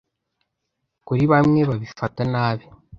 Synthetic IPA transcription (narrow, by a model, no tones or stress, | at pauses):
kuɾiβamŋe̞βaβifatanaːβi